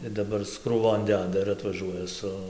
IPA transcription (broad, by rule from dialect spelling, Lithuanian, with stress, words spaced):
ɪr dɐˈbɐr ɪs kruːˈʋoːn ˈdʲæːdɐ ɪr ɐtʋɐˈʒuɔjɛ ˈsʊ